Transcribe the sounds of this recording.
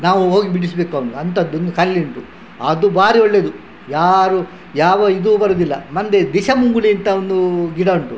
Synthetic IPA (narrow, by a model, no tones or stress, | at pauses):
naːʋuɦoːɡibiɽis̬beːkɐʋɐnuɐnt̪ɐd̪ːond̪ukɐlːiɳʈu | ɐd̪ubaːɾioɭːe̞ːd̪u | jaːɾu | jaːʋɐid̪ubɐɾud̪ilːɐ̰mɐnd̪ed̪iʃɐmuŋɡuliɐnt̪ɐond̪uɡiɽɐuɳʈu